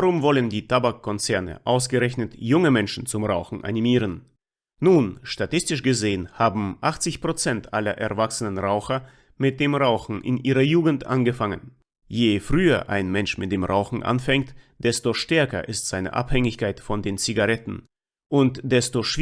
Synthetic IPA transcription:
aʁʊmvɔləndiːtʰabakʰːɔnt͡sɛɐnə̰ʔaʊs̬ɡ̥əʁɛçnətjʊŋəmɛnʃn̩t͡sʊmʁaʊxn̩ʔa̰nimiːʁ̞ənː | uːnʃtatɪstɪʃɡ̥əzeːənhaːbm̩ʔaχt͡sɪçpʁ̥ot͡sɛntʔalɐ̰ʔɛ̰ɐvaksənənʁaʊxɐ | mɪt̚d̥eːmʁaʊxn̩ʔɪ̰nʔiːʁɐjuːɡŋ̩tʔa̰nɡəfaŋən | jeːfʁ̥yːɐʔa̰ɪnmɛnʃmɪt̚d̥eːmʁa̰ʊxn̩ʔa̰nfɛŋk̚td̥ɛstoʃtɛɐkɐ̰ʔɪstz̥aɪnə̰ʔa̰phɛŋɪçkʰaɪtfɔndeːnt͡siɡaʁɛtn̩ | ʔʊntd̥ɛstoʃ

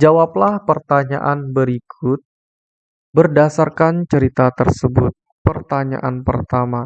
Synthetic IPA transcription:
d͡ʒawaplahpərt̪aɲa̰ʔanbəɾikʰʊt̪̚ | bərdasarkant͡ʃəɾit̪at̪ərsəbʊt̪̚ | pərt̪aɲa̰ʔanpərt̪ama

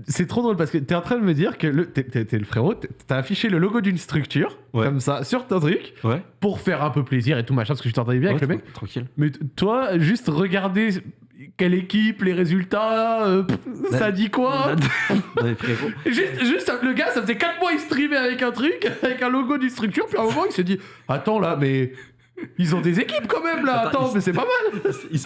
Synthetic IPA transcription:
sɛt̪χod̪ʁolpaʁsəkət̪yɛɑ̃t̪χɛ̃d̪əməd̪iʁkələt̪ɛt̪ɛt̪ɛləfχeʁot̪ɛt̪ːaːfiʃeləloɡod̪ynst̪χykt̪yːʁwɛkɔmsasyʁt̪ɔ̃t̪χykwɛpuʁfɛʁɛ̃pøpleziʁet̪umaʃɛ̃paskə̥yt̪ɑ̃t̪ɑ̃d̪ɛbjɛ̃avkləmɛkkt̪χɑ̃kʲilmɛt̪waʒyst̪ʁəɡaʁd̪e | kʲɛlekʲipleʁezylt̪aøpsad̪ikwa | fɛɡoʒyst̪ʒyst̪saləɡasafəzɛkat̪χmwaist̪χiveavɛkɛ̃t̪χykavɛkɛ̃lɔɡod̪ynst̪χyk̚t̪yʁpyɛ̃mɔmɑ̃ilsəd̪i | at̪ɑ̃lamɛ | ilzɔ̃d̪ezekʲipkɑ̃mɛmlaːt̪ɑ̃mɛsɛpamal

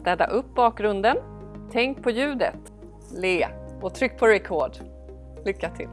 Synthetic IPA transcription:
t̪ɛːd̪a̰ʔɵp̚ːbɑːk̚ɡɾɵnd̪ən | t̪ʰɛŋk̚pʰɔjʉ̟ːd̪ə̰t̪ | leːɔt̪ʰɾʏkːpʰɔɾɛkʰɔːɖ | lʏkːat̪ʰɪ̰l

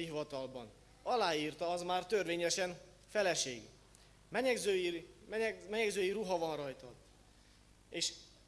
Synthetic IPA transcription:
iɦivɒt̪ɒlbɒn | ɒlaːjiːrt̪ɒɒzmaːrt̪ø̞rʋeːɲɛʃɛn | fɛlɛʃḛːɡ | mɛɲɛɡzøi | mɛɲɛɡzøːjiɾuɦɒvɒnrɒjt̪ɒ | eːʃ

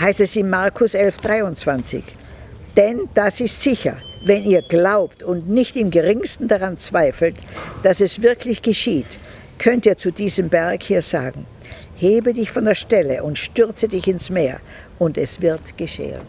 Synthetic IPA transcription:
haɪstɛsɪnmaɐkʰʊsʔɛlfd̥ʁaɪʊnt͡sv̥ant͡sɪ̰ç | d̥ɛnd̥asɪstz̥ɪçɐ̰vɛniːɐɡlaʊptʊntnɪçtɪmɡəʁɪŋstn̩daʁant͡sv̥aɪfl̩td̥asɛsv̥ɪɐklɪçɡ̥əʃiːt | kʰœntiːɐt͡sudiːzəmbɛɐkhiːɐza̰ːɡŋ̩ | heːbədɪçfɔndeːɐʃtɛləʔʊntʃtʏɐt͡sədɪçɪnsmeːɐ | ʔʊntɛsv̥ɪɐtɡ̥əʃḛːə̰n

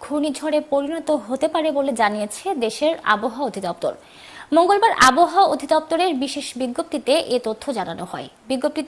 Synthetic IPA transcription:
ɡʱunid͡ʑʱɔɽepoɾinɔt̪oɦot̪epaɾeboled͡ʑanijet͡ɕʰed̪eʃeɾa̰boɦaaod̪ʱid̪ɔp̚t̪o̰ɾ | moŋɡolbaɾʔa̰boɦaaod̪ʱid̪ɔp̚t̪oɾeɾbiʃeʃbiɡːop̚t̪it̪eʔet̪ot̪ʰːod͡ʑana̰noɦɔebiɡːop̚t̪i

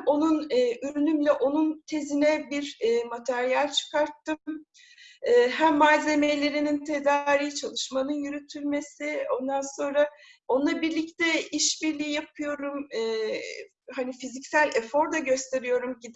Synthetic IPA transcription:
o̞nunɯːʔyɾynymlʲɛʔo̞nunt̪ʰe̞zinɛbiɾːmat̪ʰæɾijalʲt͡ʃʰɯ̥kaɾt̪ːɯm | ɛːɦæmːaze̞me̞lʲe̞ɾinint̪ʰe̞d̪aɾiːt͡ʃʰalˠɯʃmanɯnjyɾyt̪ʰylʲme̞sɪo̞nd̪anso̞nɾa | o̞nlˠabiɾlʲict̪ʰɛiʃbiɾlʲijijap̚ʰɯjo̞ɾumɯː | ɦanifizicsælʲɛfo̞ɾd̪aɟø̞st̪ʰe̞ɾijo̞ɾumɟid̪

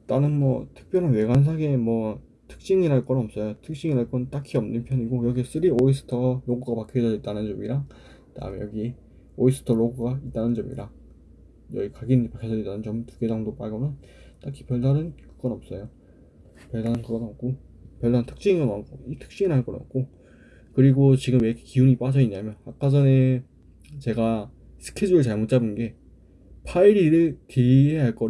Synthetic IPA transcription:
t͈anɯnmwʌtʰɯ̥k̚p͈jʌɾanwe̞ɡans̬ʰaɡemwʌ | tʰɯ̥k̚ɕ͈iŋiɾaɭk͈ʌnʌp̚s͈ʌjotʰɯk̚ɕ͈iŋiɾaɭk͈ʌnt͈akʰiʌmnɯnpʰjʌɲiɡojʌɡies͈ɯɾiois̬ʰɯ̥tʰʌloɡuɡapakʰed͡ʑʰʌit͈anɯnt͡ɕʌmiɾa | ta̰ɯ̰mejʌɡi | ois͈ʰɯ̥tʰʌɭoɡuɡait͈̚anɯnd͡ʑʌmḭɾa | jʌɡikaɡinpakʰesʰʌd͡ʑit͈anɯnt͡ɕʌmtuɡed͡ʑʌŋdop͈a̰ɭɡʌnʌn | t͈akʰi̥pjʌɭdaɾɯnkɯ̥ɡʌnʌp̚s͈ʌjo | pjʌɭdanɯnkɯɡʌnʌk̚k͈o | pjʌɭdanɯntʰɯ̥k̚ɕ͈iinɡʌnankʌitʰɯ̥k̚t͡ɕ͈iinɦaɭk͈ʌnʌ̰k̚k͈o | kɯɾiɡot͡ɕiɡɯmwekʰkiuɲip͈ad͡ʑʰʌiɲamjʌnak͈ad͡ʑʌne̞ | t͡ɕe̞ɡa | sʰɯ̥kʰed͡ʑuɾɯɭt͡ɕaɭmut̚t͡ɕ͈abɯnɡe̞ | pʰaiɾiɾɯɭkeieɦaɭk͈ʌ

